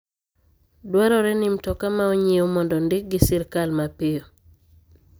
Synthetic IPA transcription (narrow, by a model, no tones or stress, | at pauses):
dwaɾɔɾɛnɪmtɔkamaoɲiomɔndɔndɪk̚ɡɪsɪɾkalmapɪo